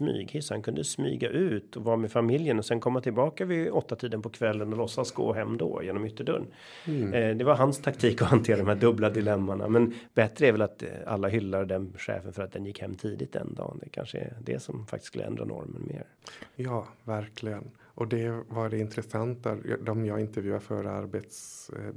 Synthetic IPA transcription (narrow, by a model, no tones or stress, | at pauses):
smy̰ːɡhɪsːhankʰɵnd̪əsmy̰ːɡaʔʉ̟ːt̪ɔvɑːmɛfamɪljənɔsɛnkʰɔmːat̪ʰɪlbɑːkavɪɔt̪ːat̪ʰiːd̪ənpʰɔkʰvɛlːənɔlɔsːasɡo̰ːɦɛmːd̪o̰ːjeːnɔmʏt̪ːəɖœɳ | d̪ɛvaɾɦanst̪ʰakt̪ʰiːkɔhant̪ʰeːɾad̪ɔmæːdɵblad̪ɪlɛmːaɳa̰mɛnbɛt̪ɾəɛɾvɛlat̪a̰lːaɦʏlːad̪ɛnɧɛ̰ːfənfœɾat̪̚d̪ɛnjɪkːhɛmːt̪ʰiːd̪ɪt̪d̪ɛ̰nd̪ɑ̰ːnd̪ɛkʰa̰nʂəɛ̰d̪ɛ̰sɔmfa̰kt̪ɪ̥skɵlːəɛ̰nd̪ɾa̰nɔ̰ɾmənmeːɾ | jɑːvæɾkʰlɪɡən | ʔɔd̪ɛvaɖɛɪnt̪ɾɛsant̪a̰d̪ɔmjɑːɡɪnt̪əɾvjʉːafœɾa̰ɾbet̪s